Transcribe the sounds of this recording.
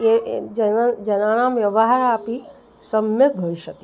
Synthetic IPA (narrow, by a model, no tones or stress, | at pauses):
ed͡ʒd͡ʒɐnaːnaːmʋjɐʋaɦaɾaːpi | səmjək̚bʱəiʃəki